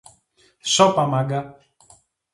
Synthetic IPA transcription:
sɔpamaɡa

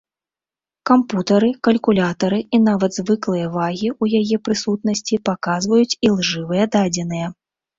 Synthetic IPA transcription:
kamput̪ɐɾɨkɐlʲkulʲat̪ɐɾɨinavɐd̪zvɨklˠɨjɐvaɣʲiujajɛpɾɨsut̪nɐsʲt͡sʲipakazvɐjut͡sʲilˠʐɨvɨjɐd̪ad͡zʲɛnɨjɐ

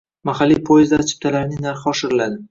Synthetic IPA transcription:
maχalːijpʰojɪzd̪laɾt͡ʃ̪ʰɪ̥p̚t̪ʰalaɾnɪnaɾχɪɒʃɪɾɪlad̪ɪ

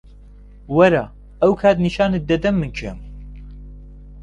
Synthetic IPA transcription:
wɐɾa̰ː | ɐwkʰaːt̪niʃaːnɨd̪ɐd̪ɐmːɨnt͡ʃʰɛ̰m

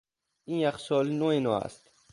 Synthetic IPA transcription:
injæxsɔːlnoenɔæ̰st̪

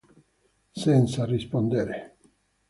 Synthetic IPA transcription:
sent̪sarispond̪eɾe

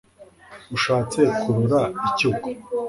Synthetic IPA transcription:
uʃaːt͡se̞kʰuɾuɾaicuko

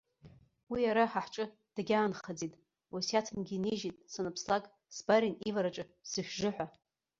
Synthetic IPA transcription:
wiaɾaħaħʈ͡ʂʼɨ | d̥aɡʲaːnχad͡zitʼ | usjatʰɨmɡʲiniʒitʼsanɨpʰslakʼ | sbaɾinivaɾaʈ͡ʂʼɨsɨʃʷᶣʒɨħʷa

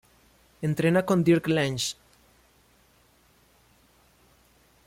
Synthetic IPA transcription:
ẽnt̪ɾenakõnd̪iɾklẽnʃ

